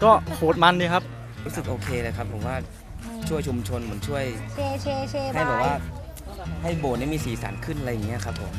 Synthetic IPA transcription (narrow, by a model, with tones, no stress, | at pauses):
kɔː˥˩pʰoː˨˩t̪̚ma˧ndiː˧kʰa˦˥p̚ | ɾu˦˥sɯ˨˩kʔoː˧kʰeː˧lɤː˧˩jkʰa˦˥pʰːo˨˩˦mwaː˥˩ | t͡ɕʰu˥˩əjt͡ɕʰu˧mt͡ɕʰo˧nmɯ˩˦ənt͡ɕʰu˥˩əjʰ | ha˥˩jbɛː˨˩waː˥˩ | ha˥˩jboː˨˩ni˥˩miː˧siː˨˩˦sa̰ː˩˦nkʰɯ˥˩nʔa˧ɾja˨˩ŋːi˦˥˨kʰa˦˥pʰːo˩˦m